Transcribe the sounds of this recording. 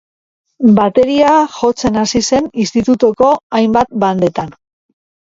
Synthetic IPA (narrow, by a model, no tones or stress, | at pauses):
bat̪e̞ɾiaxo̞t͡se̞nasise̞nist̪it̪ut̪oko̞ajmbat̪̚band̪e̞t̪an